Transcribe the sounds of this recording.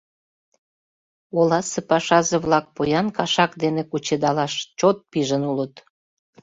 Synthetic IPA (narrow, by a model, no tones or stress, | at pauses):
olɑsepɑʃɑzeβlɑk̚pojɑnkɑʃɑkd̪enekut͡ɕed̪ɑlɑʃt͡ɕot̪̚piʒənulət̪